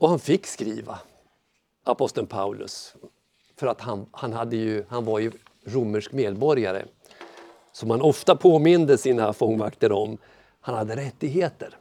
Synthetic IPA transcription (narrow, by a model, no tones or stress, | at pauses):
ɔhanfɪkːskɾiːva | apɔst̪ənpʰaʉlɵ̰s | fœɾat̪hanhanɦad̪ːəjɵhanvaɾjɵ | ɾʊmːəʂkmeːd̪bɔɾjaɾə̰ | sɔmhanɔft̪apʰoːmɪnd̪əsiːnafɔŋːvakt̪əɾɔm | hanhad̪ːəɾɛt̪ːɪɡheːt̪əɾ